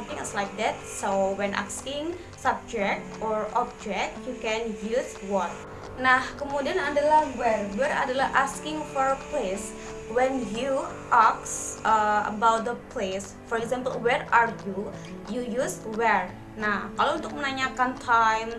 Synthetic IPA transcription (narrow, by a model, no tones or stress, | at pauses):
mt̪ɪŋɛ̰slajk̚d̪ɛt̪̚sowɛnʔa̰skɪŋ | sab̚d͡ʒɛk̚t̪ʔɔrɔb̚d͡ʒɛk̚t̪̚jukɛnjuswɔt̪̚ | nahkəmudianadalahwɛrwɛɾa̰dalahʔaskɪŋfɔrples | wɛnju | ʔaksʔəə̰bawt̪̚d̪əpʰles | fɔɾɛkzampəlwɛrarɡju | jujuswɛr | nahkalount̪ʊk̚mənaɲakant̪ʰajm